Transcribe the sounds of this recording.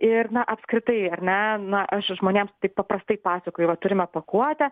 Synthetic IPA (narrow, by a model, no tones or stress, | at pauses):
ɪrnɐʔɐpskɾʲɪt̪ɐɪɐɾʲnʲɛnɐʔɐʃʒmoːnʲeːmst̪ɐɪppɐpɾɐst̪ɐɪpɑːsʲɐkoːjʊʋɐt̪ʊɾʲɪmʲɛpɐkuɔt̪ʲɛ